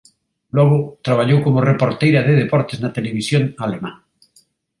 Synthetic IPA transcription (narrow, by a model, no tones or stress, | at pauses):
loɣot̪ɾaβ̞aʎowkomorepoɾt̪ejɾaðeðepoɾt̪eznat̪eleβ̞isjoŋalemã̰ŋ